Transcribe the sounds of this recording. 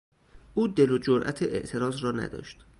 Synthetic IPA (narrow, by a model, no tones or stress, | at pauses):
ʔuːd̪elod͡ʒoɾʔæ̰t̪ʰeʔḛʔt̪ʰe̞ɾɒːzrɒːnæ̰d̪ɒ̰ːʃt̪